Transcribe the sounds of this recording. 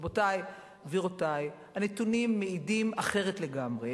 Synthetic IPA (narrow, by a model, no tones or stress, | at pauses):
botaj | viʁotaj | hanetunimːeidimaχe̞ʁetle̞ɡamʁe